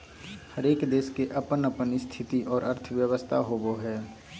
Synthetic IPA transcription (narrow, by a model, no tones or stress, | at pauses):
həɾeːkd̪eːskeʔɐpənəpənɪst̪ʰɪt̪iʔɔːɾəɾt̪ʰʋjəʋəst̪ʰaɦoːboɦɛː